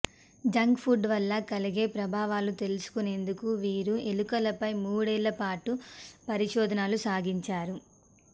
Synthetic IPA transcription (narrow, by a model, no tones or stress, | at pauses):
d͡ʒɐŋkpʰuɖʋɐlːɐkɐliɡe̞ːpɾɐbʱaːʋaːlut̪e̞lusu̥kune̞ːnd̪ukuʋiːɾuelukɐlɐpɐjmuːɽɛːlːɐpaːʈupɐɾiʃɔːd̪ɐnaːlusaːɡiɲt͡ʃaːɾu